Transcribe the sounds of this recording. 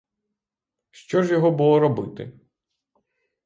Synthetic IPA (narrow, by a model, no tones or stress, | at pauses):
ʃt͡ʃɔʒjɔɦɔbulˠɔɾɔbɪt̪ɪ̰